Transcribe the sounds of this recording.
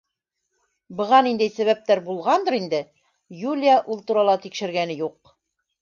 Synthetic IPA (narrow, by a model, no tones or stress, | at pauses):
bɤ̆ʁɑnind̪æjsæβæp̚t̪æɾbulˠʁɑnd̪ɤɾind̪ɘ | julʲjaʔulˠt̪uɾɑlˠɑt̪ikʃɘ̆ɾɡænɘjuq̚